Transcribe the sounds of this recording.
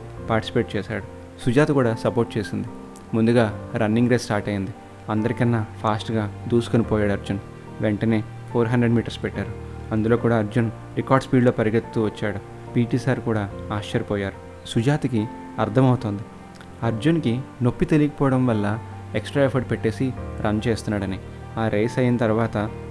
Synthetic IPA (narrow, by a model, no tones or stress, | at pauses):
paːɾʈisi̥pe̞ːʈ̚t͡ʃɛːsa̰ːɽu | sud͡ʒaːt̪kuːɽaːsɐpo̞ːɾʈ̚t͡ʃeːsind̪i | mund̪uɡaːɾɐnːiŋɡɾesʈaːɾʈɐjind̪i | ɐnd̪ɐɾikɐnːɐpʰaːsʈɡaːd̪uːsu̥konipɔːjaːɽɐɾd͡ʒun | ʋeɳʈɐne̞ː | pʰoːɾɦɐɳɖɾeɖmiːʈɐɾspɛʈːaːɾu | ɐnd̪ulo̞ːkuːɽaːɐɾd͡ʒun | ɾikaːɾɖspiːɖlo̞ːpɐɾiɡet̪t̪ːuːʋɐt͡ʃːaːɽu | piːʈiːsaːɾkuːɽaːaːʃɐɾpɔːjaːɾu | sud͡ʒaːt̪iki | ɐɾd̪ʰʱɐmɐwut̪oːnd̪i | ɐɾd͡ʒunkino̞pːit̪elikɐpɔːʋɐɽɐmʋɐlːɐ | eksʈɾaːepʰɐɖpeʈːe̞ːsiɾʔɐnt͡ʃe̞ːst̪unːaːɽɐni | aːɾeːsɐjinɐt̪ɐɾuʋaːt̪ɐ